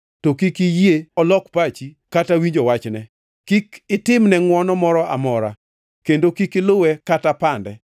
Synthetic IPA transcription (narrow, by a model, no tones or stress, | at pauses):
tokikɪjeɔlɔkpat͡ʃi | katawiɲd͡ʒowat͡ʃnɛ | kikɪtɪmnɛŋwɔnɔmɔɾɔamɔɾa̰ | kendokikɪlʊwɛkatapandɛ